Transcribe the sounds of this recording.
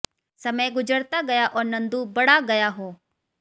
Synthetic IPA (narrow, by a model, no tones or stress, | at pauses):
sɐməjɡʊd͡ʒəɾt̪aɡɐjaʔɔːɾnɐ̃nd̪ubɐɽaɡɐjaɦoː